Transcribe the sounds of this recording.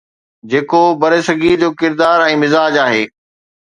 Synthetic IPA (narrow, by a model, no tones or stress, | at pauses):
d͡ʑeːkobɐɾeːsɐɡid͡ʑoːkɪɾd̪aːɾɛ̃ːmɪzaːd͡ʑaːɦeː